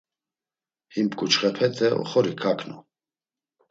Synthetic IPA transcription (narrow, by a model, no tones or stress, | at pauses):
himpkut͡ʃχɛpʰɛt̪ʰɛɔ̰χɔɾikʰakʰnu